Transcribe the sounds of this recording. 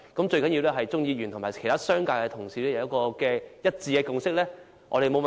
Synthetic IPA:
kɐ˨˥mt͡ʃɵ˧ɥkɐ˨˥njiː˧wlɛː˥ɦɐ˨jt͡sʊ˥ŋjiː˧ɥyː˨˩nt̪ʰʊ˨˩ŋmaː˨˩kʰjt̪ʰaː˥sœː˥ŋkaː˧kɛ˧t̪ʰʊ˨˩ŋsiː˨˥lɛː˥jɐ˨˧wjɐ˥t̚kɔː˧kɛː˧jɐ˥t̚t͡siː˧kɛː˧kʊ˨ŋsɪ˥k̚lɛː˥ | ʔɔ̰ː˧ɾe˨jmo˨˧wm

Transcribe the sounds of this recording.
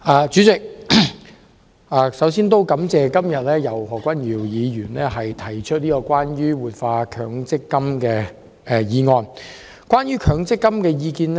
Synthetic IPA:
ʔaː˨˩t͡ʃyː˨˥t͡sɪ˨k̚ | aː˨˩sɐ˨˥wsiː˥nt̪o˥wkɐ˨˥mt͡sɛː˨kɐ˥mjɐ˨t̚lɛː˥jɐ˨˩whɔː˨˩kʷɐ˥njiː˨˩wjiː˨˧jyː˨˩nlɛ˥hɐ˨jt̪ʰɐ˨˩jt͡ʃʰɵ˥t̚niː˥kɔː˧kʷaː˥njyː˥wuː˨˩t̚faː˧kʰœː˨˧˥ŋt͡sɪ˥kːɐ˥mkɛː˧ | ɛ˧jiː˨˧ŋɔː˧n | kʷaː˥nɥyː˥kʰœː˨˧ŋt͡sɪ˥kːɐ˥mkɛː˧jiː˧kiː˧nɛ˥

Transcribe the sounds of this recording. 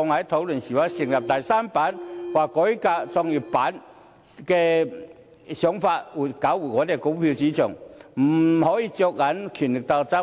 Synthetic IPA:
ɔ˧ŋha˨˥jt̪ʰo˨˧˥wlə˨˩nɕi˨˩wa˧˥˦si˨˩ŋla˨p̚t̪a˨jsa˦˥mpa˨˥nkwaː˨˩kɔ˨˦jka˧t͡sɔ˧ŋi˨˩pa˨˥n | kɛ˧ | ɕjʊ˨˥ŋfa˧t̚u˨˩ka˨˥wu˨˩ŋɔː˨˧˦t̪e˨˩ko˨˥˦ŋpʰi˧t͡ɕi˧˥t͡ɕʰʊ˨˩ŋm̩˨˩hɔ˨˦jiː˧t͡ɕo˧k̚ːa˨˥nkʰy˨˩nlɪ˨˩k̚t̪a˧wt͡sa˧˦˥

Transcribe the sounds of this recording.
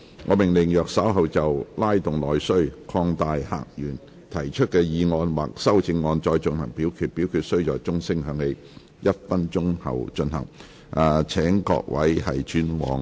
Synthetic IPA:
ŋʔɔː˨˧mɪ˨˩ŋlɪ˨˩ŋjœː˨k̚sɐ˨˥wɦɐ˨wt͡sɐ˨wlaː˥jt̪ʊ˨ŋlɔː˨˧jsɵ˥ɥkʰɔː˧ŋt̪aː˨jha̰ː˨k̚jyː˨˩n | t̪ʰɐ˨˩jt͡ʃʰɵ˥t̚kɛː˧jiː˨˧ŋɔː˧nwaː˨k̚sɐ˥wt͡sɪ˧ŋːɔː˧nt͡ʃɔː˧jt͡ʃɵ˧nhɐ˨˩ŋpiː˨˥wkʰyː˧t̚piː˨˥wkʰyː˨˧t̚sɵ˥ɥt͡ʃɔː˨jt͡sʊ˥ŋsɪ˥ŋɦœː˨˧ŋle˨˧j | jɐ˥t̚fɐ˥nt͡ʃʊ˥ŋhɐ̰˨wt͡ʃɵ˧nhɐ̰˨˩ŋ | aː˨˩t͡sʰɛː˨˥ŋkɔ̰ː˧k̚wɐ̰˨˥jhɐ˨jt͡ʃyː˥nwɔ̰ː˨˧ŋ

